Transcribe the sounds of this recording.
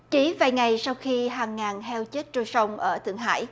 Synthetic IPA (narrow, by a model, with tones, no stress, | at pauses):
t͡ɕi˨˦vaː˨˩jŋa˨˩jsa˧wxi˧ɦaː˨˩ŋːaː˨˩nhɛ˧wt͡ɕe˦˥t̚t͡ɕo˧˩jsə˧wŋ͡mʔəː˧˩t̪ʰɨ˨˩əŋɦa̰ː˧˥˨j